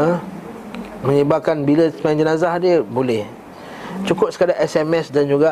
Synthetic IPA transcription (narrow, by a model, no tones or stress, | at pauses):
ə | mə̃ɲəbap̚kanbiləsə̥majad͡ʒənazahdiəbolɛh | t͡ʃukʊp̚sə̥kadaʔɛsɛmɛsdand͡ʒuɡa